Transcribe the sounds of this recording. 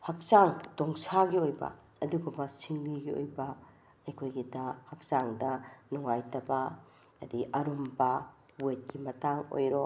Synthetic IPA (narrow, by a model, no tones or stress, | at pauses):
hɐk̚saŋtoŋsaɡiojbɐ̰ | ɐduɡubɐsiŋbiɡio̰jbɐ | ɐjkʰojɡidahɐk̚saŋdɐnuŋajtɐbɐ | ɐdiʔɐɾumbɐ | wet̚kimɐtaŋo̰jɾo